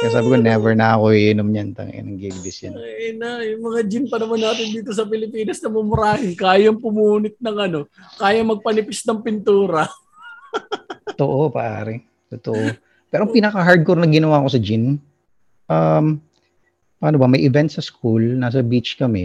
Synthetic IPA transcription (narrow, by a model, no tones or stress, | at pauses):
asaːbɪkonɛvɛɹnɐɐko̞ɪʔɪnomɲɐnt̪ɐ̰ŋʔɛ̰nɐŋɡilbɪsjɐ̰nnajʊmɐŋad͡ʒɪnpɐnɐmanːaːt̪ɪnd̪iːt̪o̞s̬ɐp̬ɪlɪpiːnɐsnɐmʊmʊɾaːhɪnkaːjɐŋpʊmuːnɪt̪̚nɐŋɐno̞kaːjɐŋmɐɡ̚pɐnɪpɪsnɐŋpɪnt̪uːɾɐ | tt̪oʔopɐ̰ʔa̰ːɾɛ | t̪ot̪oʔo | pɛːɾopinɐkɐɦaɹd̪̚koɾnɐɡɪnɐwaːɐko̞sɐd͡ʒɪn | ʔam | paːnobɐmɐjʔɪvɛnt̪̚sɐskulnaːs̬ɐbit͡ʃkɐmɛ